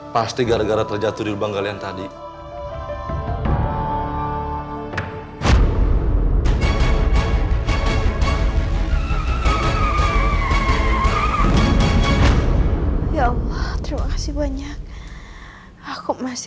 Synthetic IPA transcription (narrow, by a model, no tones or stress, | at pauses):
past̪iɡaɾaɡaɾat̪ərd͡ʒat̪udilubaŋɡaljant̪adi | jaɑlːɔht̪əɾimakḁsɪhbaɲak̚ | akumas